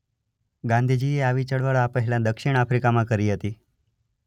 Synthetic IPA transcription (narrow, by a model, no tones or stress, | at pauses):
ɡãnd̪ʱid͡ʒieaʋit͡ʃəɭʋəɭapəɦɛlãd̪əkʃɪɽ̃afɾikamãkəɾiɦət̪i